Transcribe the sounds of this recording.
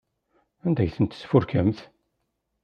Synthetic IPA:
ænd̪æjθənt̪sfʊɾkæmθ

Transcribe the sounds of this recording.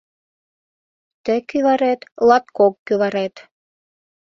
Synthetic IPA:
t̪ə̆kyβɑɾet̪lɑt̪̚kokːyβɑɾet̪

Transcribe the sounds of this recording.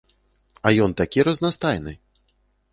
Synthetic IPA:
ɐjɔnt̪akʲiɾɐznast̪ajnɨ

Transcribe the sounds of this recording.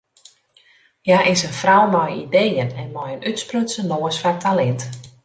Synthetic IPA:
jaʔɪsənfrawmɔjidejənɛnmɔjənytsprøtsənloːəsfartʰalɛnt

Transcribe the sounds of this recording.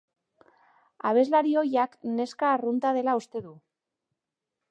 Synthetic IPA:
a̰β̞e̞zlaɾio̞jakne̞skaːrunt̪að̞e̞laust̪e̞ðu

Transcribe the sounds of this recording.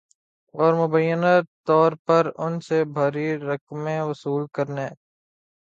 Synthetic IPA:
ɔːɾmʊbəjːənat̪ːɔːɾpɐɾʊnsebʱaːɾiɾɐkmẽʋɐsuːlkɐɾneː

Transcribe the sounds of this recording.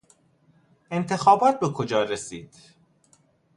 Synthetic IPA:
ʔe̞nt̪ʰe̞xɒːbɒːt̪̚be̞kʰod͡ʒɒːɾesiːd̪̥

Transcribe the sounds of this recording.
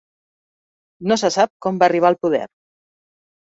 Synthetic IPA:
nosəsap̚kɔmbaːriβ̞aəlˠpuðɛ̰ɾ

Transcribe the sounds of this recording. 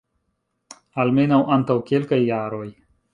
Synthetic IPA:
almenɐwʔɐnt̪ɐwkelkajːaːɾoːj

